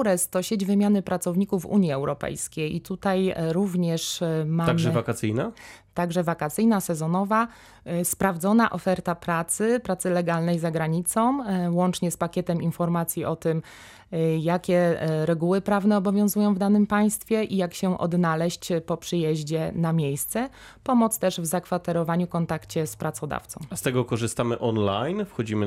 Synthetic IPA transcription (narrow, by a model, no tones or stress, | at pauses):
ɾɛst̪ɔɕed͡ʑvɘmʲjanɘpɾat̪sɔvɲikuvṵɲjiɛwɾɔpɛ̰jskʲejḭt̪ut̪ajɾuvɲɛʂmaamʐɛvakat̪sɘjnat̪aɡʐɛvakat̪sɘjnasɛzɔnɔva | spɾavd̪zɔnaʔɔfɛɾt̪apɾat̪sɘpɾat̪sɘlɛɡalnɛjzaɡɾaɲit̪sɔ̃w̃wɔnt͡ʂɲɛspakʲjɛt̪ɛminfɔɾmat̪sʲjiʔɔt̪ɘm | jakʲɛɾɛɡuwɘpɾavnɛɔbɔvʲjɔ̃w̃zujɔ̃w̃vd̪anɘmpaj̃st̪fʲjɛʔijakɕɛʔɔ̰d̪nalɛɕt͡ɕpɔpʂɘjɛʑd͡ʑɛnamʲjejst̪sɛ | pɔmɔt̪st̪ɛʐvzakfat̪ɛɾɔvaɲukɔnt̪akt͡ɕɛspɾat̪sɔd̪a̰ft̪sɔ̃w̃st̪ɛɡɔkɔʐɘst̪amɘʔɔnlajnfxɔd͡ʑimɘ